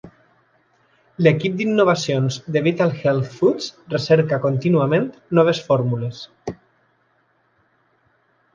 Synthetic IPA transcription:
lekip̚d̪inːoβasionzd̪eβit̪alˠxɛlθfusreseɾkakont̪inuamẽnt̪nɔβ̞esfɔɾmules

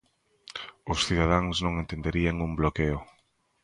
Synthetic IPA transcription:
ʊsθiðað̞aŋznõŋent̪end̪eɾiaŋumblokeʊ

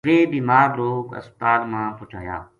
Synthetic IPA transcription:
ʋeːbiːmaːɡɾoːkə̰st̪aːlmãːpʊt͡ʃʰa̰ːja̰ː

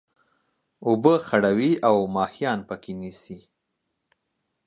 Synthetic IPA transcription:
ubəxaɽawiawmɑhijɑnpəkʰenisi

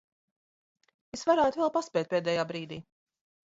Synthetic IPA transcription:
esvaɾæːt̪ʊvɛlˠpaspʲɛːt̪̚ʲpʲeːd̪ɛːjaːbɾiːd̪iː

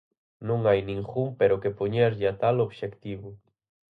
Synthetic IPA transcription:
nõŋajnĩŋxumpeɾokepoɲɛɾʎɪat̪aloβʃekt̪iβʊ

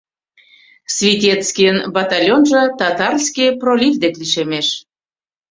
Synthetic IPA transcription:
svʲit̪ʲet̪t͡skʲijənbɑt̪ɑlʲjonʒɤ̆t̪ɑt̪ɑrskʲijprolʲivd̪ekliʃemeʃ

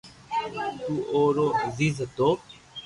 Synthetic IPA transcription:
t̪uːʔoːɾoːəziːzt̪oː

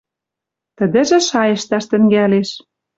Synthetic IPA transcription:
t̪ə̆d̪ɘ̆ʒĕʃɑjɤ̆ʃt̪ɑʃt̪ɘ̆ŋɡæleʃ

